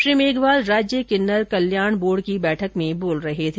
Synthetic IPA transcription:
ʃɾiːmeːɡʋaːlɾaːd͡ʒjəkɪnːəɾkɐljaːɳboːɽkibɛːʈʰəkmẽboːlɾɐɦet̪ʰe

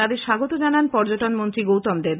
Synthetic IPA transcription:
ad̪eɾʃaɡot̪od͡ʑananpɔɾd͡ʑoʈonmont̪ɾiɡowt̪ɔmd̪eɾ

